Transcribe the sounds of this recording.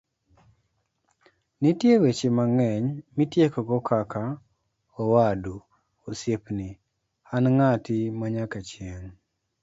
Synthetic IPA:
nitjewet͡ʃemaŋɛɲmitjekɔɡɔkʰaka | ɔwadu | osepni | anŋatɪmaɲakat͡ʃjeŋ

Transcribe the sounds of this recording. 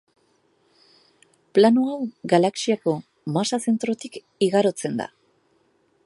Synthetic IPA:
planuawɡalaksiako̞ | masase̞nt̪ɾo̞t̪ik | iɣaɾo̞t͡se̞nd̪a̰

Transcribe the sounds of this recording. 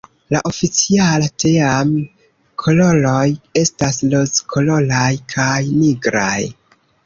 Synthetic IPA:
laʔo̞fit͡sialateam | kʰo̞lo̞lo̞je̞stasloskʰo̞lo̞lajkʰajniɡɾa̰j

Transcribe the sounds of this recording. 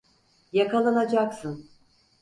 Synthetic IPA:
jakʰalˠanad͡ʒaksɯn

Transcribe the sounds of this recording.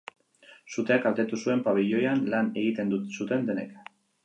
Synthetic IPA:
sut̪e̞akalt̪e̞t̪usue̞mpaβ̞iʎojanlane̞ɣit̪e̞nd̪usut̪e̞nd̪e̞ne̞k

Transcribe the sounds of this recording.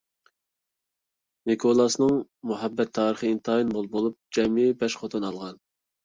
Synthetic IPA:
nikʰolˠɑsnɨŋmuɦɛbːɛt̪ʰːɑːɾəχəint̪ʰɑːinbolˠbolˠup̚d͡ʒɛmɪbɛʃχot̪ʰunɑlˠʁɑn

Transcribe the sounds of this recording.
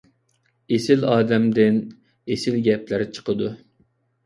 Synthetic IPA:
esɪlɑːd̪ɛmd̪ɪn | esɪlɡʲɛplɪɾɪt͡ʃʰə̥qʰəd̪u

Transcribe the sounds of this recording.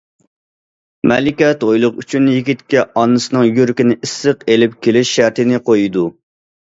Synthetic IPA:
mɛlɪkʲɛt̪ojlˠʊqyt͡ʃʰynjiɡʲit̪kʲɛɑnːɨsɨnɨŋjøɾkʲinɪisːəqelɪp̚kʲʰelɪʃːæɾt̪ɪnɪqʰojid̪u

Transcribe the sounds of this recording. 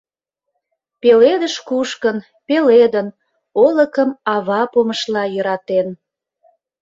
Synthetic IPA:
peled̪əʃkuʃkən | peled̪ən | oləkəmɑβɑpoməʃlɑjə̆ɾɑt̪en

